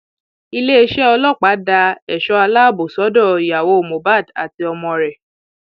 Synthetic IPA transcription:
i˧le˦e˧ʃɛ˦ɔ˧lɔ˦˨k͡pa˨˦da˧ɛ˨ʃɔ˧a˧la˦˨bo˨sɔ˨˦dɔ˦˨i˨ja˨wo˨˧o˨mõ˨ba˦˨da̰˨ti˧ɔ˧mɔ̃˧ɾɛ˨

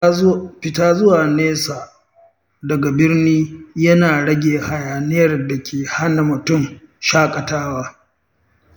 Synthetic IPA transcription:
ɸɪ˨taː˦zʊ˦waː˨neː˦saː˨ | dɐ˨ɡa˨bɪ˦rniː˦jɐ˦naː˨ɽɐ˦ɡʲeː˨ha˨jaː˨nɪ˦jɐ˦˨rda˨kʲʰeː˨ha˦na˨mʊ˨tʊ˦˨mʃaː˦kʼɐ˨taː˦waː˦

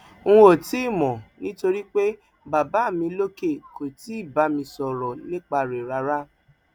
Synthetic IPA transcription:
ŋ̩̃˦o˨ti˦˨mɔ̃˨nĩ˦to˧ɾi˦k͡pe˦ | ba˨ba˨˦˨mĩ˧lo˦ke˦˨ko˨ti˨˦i˦˨ba˨˦mĩ˧sɔ˨ɾɔ˨nĩ˦k͡pa˧˨ɾe˨ɾa˧ɾa˦

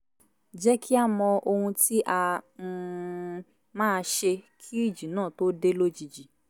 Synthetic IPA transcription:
d͡ʒɛ˦kʰi˦a˦˨mɔ̃˧o˧hũ˧ti˦ʔa˧ | mãː˦˧ʃe˧kʰi˦i˦˨d͡ʒi˨nãː˦˨to˦de˦lo˦d͡ʒi˨d͡ʒi˨

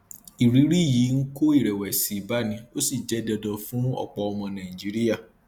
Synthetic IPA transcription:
i˨ɾi˨˦ɾi˦˨ji˨˦ŋ̩˦ko˦i˦˨ɾɛ˨wɛ˨si˨ba˦nĩ˧˦o˦si˦˨d͡ʒɛ˨˦dɔ˧dɔ̃˧fũ˦ɔ̰˦˨k͡pɔ˧ɔ˧mɔ̃˧nã˨ĩ˨d͡ʒi˨˦ɾi˦ja˦˨

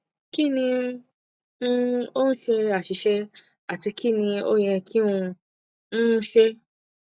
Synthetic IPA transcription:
ki˦˨nĩ˧ | ũ˦o˦n̩˦ʃe˧a˨ʃi˨˧ʃɛ˦ | a˦˨ti˧ki˦˨nĩ˧o˦j̃ɛ̃˧ki˦ũ˧ | ñ̩˦ʃe˦

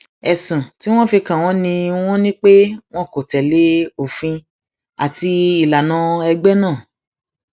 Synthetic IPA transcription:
ɛ˨sũ˨ti˦w̃ɔ̃˦fi˧kã˨w̃ɔ̃˦nĩ˧w̃ɔ̃˦nĩ˦k͡pe˦w̃ɔ̃˦ko˨tɛ˨le˨˦o˨fĩ˧ | a˨ti˧i˨la˨nã˨˦ɛ˧ɡ͡bɛ˦nã˦˨

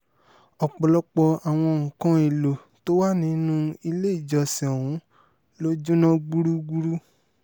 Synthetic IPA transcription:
ɔ˨k͡pɔ˨lɔ˦k͡pɔ˧a˨w̃ɔ̃˧o˧˨ũ˨kã˦e˨lo˨ | to˦wa˦nĩ˨˦nũ˦i˧le˦i˦˨d͡ʒɔ˧˨sĩ˨ɔ˨wũ˨˦ | lo˦d͡ʒũ˦nã˦ɡ͡bu˦ɾu˦ɡ͡bu˦ɾu˦

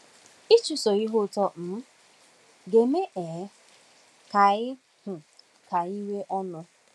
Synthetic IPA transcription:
i˦t͡ʃu˨so˨i˦ɦʊ˦˨tɔ˦m̩˦ | ɡe˨me˦ʔe˨˦ | ka˨ɣɪ˦ | hʊ˨ | ka˨i˦we˦ʔɔ˦nʊ˦

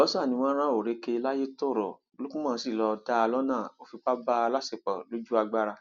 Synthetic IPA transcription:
ɔ˨˦sɔ˦a˦˨nĩ˧w̃ɔ̃˦ɾ̃ã˦˨o˨ɾe˧ke˧la˦je˦to˦˨ɾɔ˨ | o˨lu˦kũ˦mãː˦˧˨si˦˨lɔ˧da˦a˧lɔ˦nãː˦˨o˦fi˧k͡pa˦ba˦a˧la˦se˦˨k͡pɔ˨lo˦d͡ʒu˦a˧ɡ͡ba˦ɾa˧

